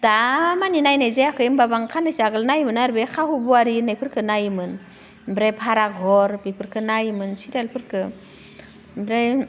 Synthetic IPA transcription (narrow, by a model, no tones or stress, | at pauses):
d̥amaninajnajzeakʰɯjmbabaŋkʰanɯsaɡɯlnajmɯnaɾbekʰahubuaɾinɯjpʰɯɾkʰɯnajmɯn | bɾepʰaɾak̚ɦɔɾbipʰɯɾkʰɯnajmɯnsiɾalpʰɯɾkʰɯ | bɾe